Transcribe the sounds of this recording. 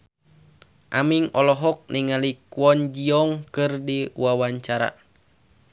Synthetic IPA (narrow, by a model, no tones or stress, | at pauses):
ʔamiŋɔlɔɦɔk̚nʔiŋalikwɔnd͡ʒiɔŋkɨrdiwawaɲt͡ʃaɾa̰